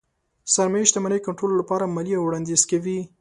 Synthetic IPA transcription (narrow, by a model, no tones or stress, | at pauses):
saɾmajʃd̪əmanəjkaɳʈɾololapɑɾamaliawɽɑnd̪ez̥kawi